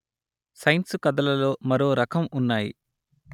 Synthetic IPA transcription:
sɐjnsukɐd̪ɐlɐlo̞ːmɐɾo̞ːɾɐkʰɐmunːaːjḭ

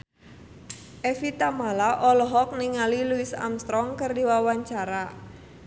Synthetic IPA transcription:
ʔɛfit̪amalaʔɔlɔɦɔk̚niŋaliluisa̰mst̪ɾɔŋkərdiwawaɲt͡ʃaɾa

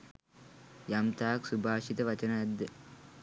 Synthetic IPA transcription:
jɐmt̪aːksubʱaːʂit̪ɐʋɐt͡ʃɐnɐɐd̪ɐ

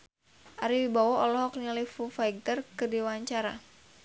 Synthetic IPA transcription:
ʔaɾiwibawɔɔlɔɦɔk̚nilifufajɡ̚t̪ərkədiwaɲt͡ʃaɾa̰

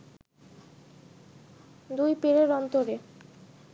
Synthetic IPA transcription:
d̪ujpeɾeɾɔnt̪oɾe

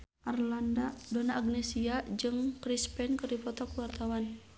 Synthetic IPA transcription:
ʔarlandadɔnaʔːɡnɛsiad͡ʒɨŋkɾispɛnkɨrdipɔt̪ɔkuwart̪awan

